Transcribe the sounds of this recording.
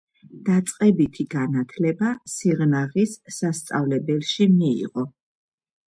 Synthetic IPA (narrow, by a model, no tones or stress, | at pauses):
d̪̥at̪sʼqʼɛbit̪ʰiɡanat̪ʰlɛbasiʁnaʁisːast̪sʼavlɛbɛlʃimiḭʁɔ